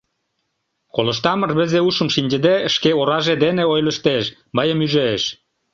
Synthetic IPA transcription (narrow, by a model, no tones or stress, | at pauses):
kolə̆ʃt̪ɑmərβə̆zeuʃə̆mʃinʲd͡ʑə̆d̪eəʃkeoɾɑʒed̪eneojlə̆ʃt̪eʃ | mɑjəmyʒeʃ